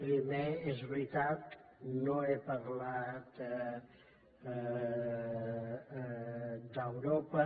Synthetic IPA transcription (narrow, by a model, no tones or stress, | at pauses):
pɾimeezβɾit̪at̪noepəɾlat̪ | d̪əwɾopə